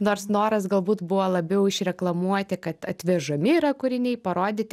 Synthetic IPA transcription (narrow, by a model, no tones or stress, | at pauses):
noːrsnoːɾɐsɡɐlˠbuːt̪bʊʋoːlˠɐbʲɛʊɪʃɾʲɛklˠɐmuɔt̪ʲɪkɐt̪ɐt̪ʲʋʲɛʒɐmʲɪiːɾɐkʊɾʲɪnʲɛɪpɐɾoːd̪ʲɪːt̪ʲɪ